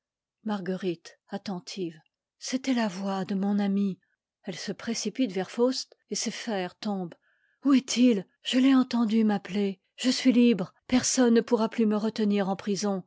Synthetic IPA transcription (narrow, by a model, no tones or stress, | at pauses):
maʁɡəʁit̪at̪ɑ̃t̪ʰiv | set̪ɛlavwad̪əmɔ̃nami | ɛlsəpχesipit̪vɛʁfost̪ | esefɛʁt̪ɔ̃b | uɛt̪ʰil | ʒ̥əlɛɑ̃t̪ɑ̃d̪ymaple | ʒ̥əsɥilibʁpɛʁsɔnːəpuʁaplyməʁət̪əniʁɑ̃pχizɔ̃